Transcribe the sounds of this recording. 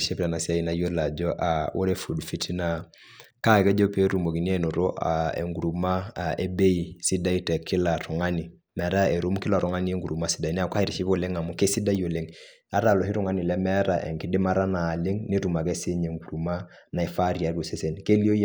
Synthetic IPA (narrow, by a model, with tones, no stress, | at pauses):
ʃe˦pla˨na˨si˦a˦i˨na˦jo˦la˨d͡ʒɔ˦ʔa˨wo˦ɾe˦fu˨dfi˦ti˦na˨ | ka˦kɛ˦d͡ʒɔ˦pe˦ɾu˨mo˨ki˨ni˦e˦˨no˨ɾo˦ʔa̰ḛ˨ŋɡu˨ɾu˨ma˦e˦be˦i˨si˦da˦i˦tɛ˨kʰɪ˦la˨ɾɔ˨ŋa˦ni˨ | mɛ˨˦ɾa˦e˨ɾu˦mkɪ˦la˨ɾɔ˨ŋa˦ni˦e˦ŋɡu˨ɾu˨ma˦si̥˦da˨i˨nɛ˦a˨kʷa˦i˦ɾi˨ʃi˦bo˦˨le˦ŋa˨mu˦ke˦si˦da˦jo˨le˦ŋ | a˦ɾa˦˨lɔ˨ɦi˦ɾu˦ŋa˦ni˨lɛ˦mɛ˦ɾa˨ʔɛ̰˨ŋki˦di˦ma˦ɾa˦naː˨le˦ŋni˦ɾu˨ma˨kɛ˦se˦ɲe˨ŋɡu˨ɾu˨ma˦ | na˨ɛ˨fa˦ɾi˨a˨ɾo˨se˦se˨nke˦li˦o˦j